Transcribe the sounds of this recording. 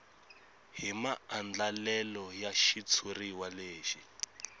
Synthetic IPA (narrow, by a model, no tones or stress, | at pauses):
ɦimaand͡ɮalɛlɔjaʃit͡sʰuriwaleːʃi